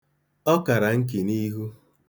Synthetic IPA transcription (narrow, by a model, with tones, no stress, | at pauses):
ɔ˦ka˨ɾa˨ŋ̩˦k̬i˨ni˦ɦu˦